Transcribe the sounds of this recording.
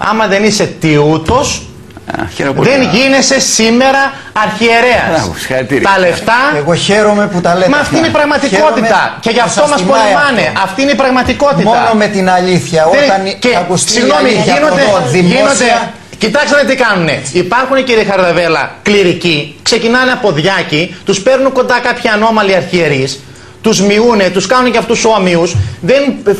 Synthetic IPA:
ɐ̰mɐðe̞nise̞t̪iut̪o̞s | ðe̞nʝinese̞sime̞ɾɐː | ɾçie̞ɾeɐ̰sssɐɾit̪iɾt̪ɐle̞ft̪ɐeɣoçeɾomeput̪ɐlemɐːft̪ineipɾɐɣmɐt̪iko̞t̪it̪ɐce̞ʝɐft̪osmɐsspolɐvɐneʔɐft̪iineipɾɐɣmɐt̪iko̞t̪itmoɐnomet̪inɐʎiθçɐoeɐneɐkussiɣnnomiʝiinod̪eiʝinod̪e | cit̪ɐksɐnet̪̬ikɐnune̞̰ipɐɾxuneciɾiexɐɾðɐve̞lɐ̰kliɾicikse̞cinɐneɐpo̞ðʝɐcit̪uspe̞ɾnuŋko̞nd̪ɐkɐpçiɐno̞mɐliɐɾçieɾis | t̪uzmiune̞t̪uskɐnunceɐft̪uso̞miusðen

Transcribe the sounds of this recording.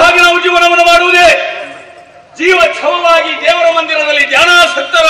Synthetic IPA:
aːɡɐnamud͡ʒiːʋɐnɐmɐnɐmaːɽuʋud̪e | d͡ʒiːʋɐt͡ʃʰɐʋɐʋaːɡid̪ɛːʋɐɾɐmɐnd̪inɐd̪ɐlːid̪jaːnaːsɐk̚t̪ɐɾ

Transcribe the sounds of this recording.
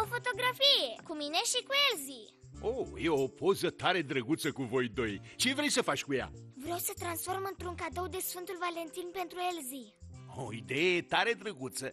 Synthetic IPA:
ofot̪o̞ɡɾafijekumineʃikuelzi | ojewopʰozət̪aɾed̪ɾəɡut̪səkuvo̞jd̪o̞jt͡ʃevɾejsəfat͡ʃkuja̰vɾawsət̪ɾansfo̞rmɨnt̪ɾuŋkad̪owd̪esfɨnt̪ulvalent̪inpent̪ɾuelzio̰id̪ejet̪aɾed̪ɾəɡut̪sə

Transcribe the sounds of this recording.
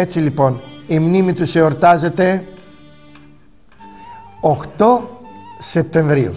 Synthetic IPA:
e̞t͡silipo̞nimnimit̪useoɾt̪ɐze̞t̪e̞ | oxt̪o̞se̞p̚t̪e̞ɱvɾiṵ

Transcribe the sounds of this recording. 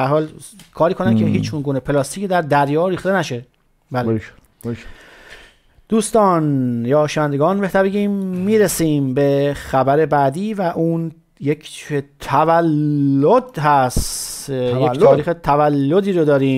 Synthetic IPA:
æɾhɒːlkʰɒːɾiːkʰo̞nænkʰeɦiːt͡ʃunɡuːnepʰelɒst̪iːcʰed̪æɾd̪æɾjɒːɾiːxt̪enæʃe̞ | bæːle | d̪̥uːst̪ɒːnjɒːʃænd̪eɡɒːnbeht̪æbeɟiːmːiːɾesiːmbexæbæɾe̞bæːd̪iːvæʔuːn | jekʰt̪ʰævælːod̪ɦæst̪jet̪ʰɒːɾiːxet̪ʰævælːod̪iːɾod̪ɒːɾiːm

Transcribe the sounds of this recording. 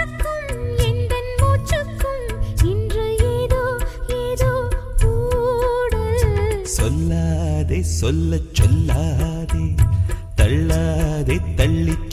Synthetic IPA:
kːɯmɛnd̪ɐnmoːt͡ʃrɐkːɯm | ɪndrɐeːðoːeːðoːkuːɽɐsɔlːaːðeːsɔlːɐt͡ʃːɔlːaː | ðet̪ɐɭːaːðeːt̪ɐɭːɪt͡ʃː

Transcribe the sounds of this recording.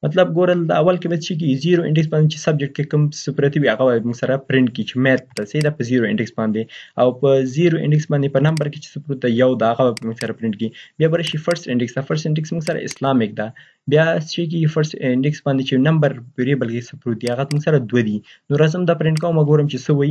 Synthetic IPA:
mat̪lab̚ɡoɾəld̪aawalkebasʃik̬iɡiziɾoɪ̰̃ɳɖɪks̬bɑnd̪et͡ʃe̥sab̚d͡ʒɪk̚ʈ̚kekʊmsʊpɾat̪iwiaɣabamuɡsaɾapɾɪɳʈ̚kit͡ʃemɛt̪̚d̪asaid̪apəziɾoɪ̰̃ɳɖɪksbɑnd̪eawpəzeɾoʔɪ̰̃ɳɖɪksbɑnd̪epənambaɾket͡ʃe̥sʊpɾut̪̚d̪ajawd̪aːɣabamuŋɡsaɾapɾɪɳʈkiibjɑbaɾaʃifəɾsʈɪɳɖɪksd̪afaɾsʈɪɳɖɪksmuŋɡsaɾa̰ɪ̰slɑmɪk̚d̪a | bjɑsʃik̬iɡifaɾsɪɳɖɪksbɑnd̪et͡ʃenambaɾpiɾebalkesʊpɾut̪̚d̪iaɣamuɡsaɾad̪wad̪i | noɾazəmd̪ɑpɾɪɳʈkawmaɡoɾəmt͡ʃesəwaji

